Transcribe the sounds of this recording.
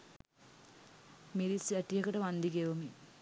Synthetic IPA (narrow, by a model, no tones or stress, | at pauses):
miɾisɐʈːijɐkɐʈɐʋɐnd̪iɡeʋomi